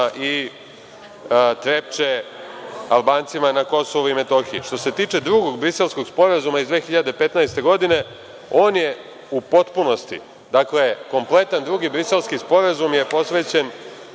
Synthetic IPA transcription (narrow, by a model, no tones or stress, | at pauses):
ʔi | t̪ɾep̚t͡ʃe | alˠbaːnt̪simanako̞soʋuime̞t̪o̞xiiʃt̪o̞se̞t̪iːt͡ʃe̞d̪ɾuɡo̞ɡ̚bɾise̞lˠsko̞ɡspo̞ɾazumaizd̪ʋeːxiʎad̪e̞pe̞t̪najst̪e̞ɡo̞d̪ine̞ | o̞ːnje̞ | upo̞t̪puno̞st̪ḭ | d̪akle̞ko̞mple̞t̪and̪ɾuɡibɾise̞lˠskispo̞ɾazumje̞po̞sʋe̞ːt͡ɕe̞n